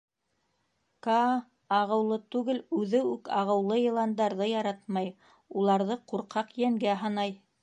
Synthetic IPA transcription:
kɑ | ɑʁɤ̆wlˠɤt̪ʉɡɘlʉðɘʉkɑʁɤ̆wlˠɤjɤ̆lˠɑnd̪ɑɾðɤjɑɾɑt̪mɑj | ulˠɑɾðɤquɾqɑqjæŋɡæɦɑnɑj

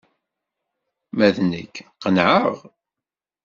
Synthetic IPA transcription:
mæðnə̰kːqənʕəʁ

